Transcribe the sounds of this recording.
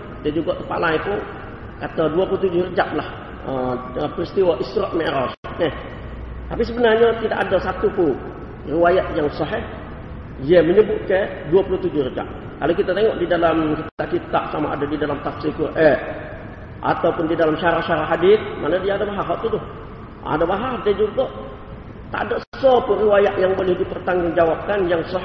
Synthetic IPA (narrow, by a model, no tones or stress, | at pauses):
kit̪ad͡ʒuɡaʔkəpa̰lait̪u | kat̪aduapulut̪ud͡ʒʊhrəd͡ʒa̰ʔlah | əəpərist̪iwaʔisɾɔʔmeɾɔsɛh | t̪apis̬əbənarɲat̪idaʔadasat̪upu | riwajaʔjaŋsɔɦɛh | jɛməɲəbʊʔ̚ke | duapuluht̪ud͡ʒʊhrəd͡ʒa̰ʔ | kalokit̪at̪eŋɔʔdidalamkit̪at̪aʔt͡ʃit̪a̰ʔsamaʔa̰dadidalamt̪afsɪlkuʔɛ | ʔa̰t̪awpʊndidalamʃaɾahʃaɾaʔɦadɪt̪̚ma̰nədiaːdabaɦaɦaʔt̪ut̪ʊh | ʔa̰dabaɦahdɛd͡ʒuɡɔʔ | t̪a̰ʔdɔʔsəsɔpʊriwajaʔjaŋbolɛhdipərt̪aŋɡʊŋd͡ʒawap̚kanjaŋsɔ